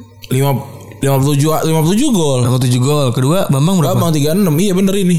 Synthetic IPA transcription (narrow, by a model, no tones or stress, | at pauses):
lima | limapult̪ud͡ʒualimaput̪ud͡ʒuɡɔlamt̪ud͡ʒuɡɔlkəduabambaŋbəɾɡabaŋt̪iɡaənəmijabəndəɾini